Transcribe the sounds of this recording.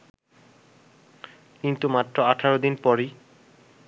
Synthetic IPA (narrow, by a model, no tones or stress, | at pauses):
kint̪umat̪ːɾoaʈʰaɾod̪inpɔɾi